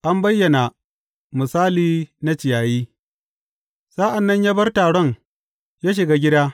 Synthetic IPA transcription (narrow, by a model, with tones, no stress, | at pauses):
ʔa˦mbɐ˦jːɐ˨na˨ | mɪ˨saː˦liː˦na˦t͡ʃɪ˨jaː˨jiː˦ | sa˦ʔa˨nːɐ˦ɲjaː˦bɐ˦rtaː˨ɽɔ˦ŋ | jaː˦ʃ̬ɪ˨ɡaː˦ɡʲɪ˦daː˦